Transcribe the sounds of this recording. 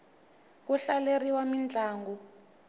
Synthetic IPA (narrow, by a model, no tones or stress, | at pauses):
kuɬaleriwamind͡ɮʱaːŋɡu